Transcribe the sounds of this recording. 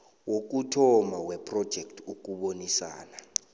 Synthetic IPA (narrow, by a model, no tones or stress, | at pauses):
wok̬utʰɔmawɛpʰʼrɔd̥ʒ̥ʱɛktʰuk̬uɓonisa̰ːna